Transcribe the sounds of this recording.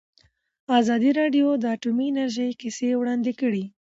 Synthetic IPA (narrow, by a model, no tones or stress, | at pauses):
ɑzɑd̪iɾɑɖjod̪əaʈumiːnaɾʒəjkisewɽɑnd̪ɪkəɽi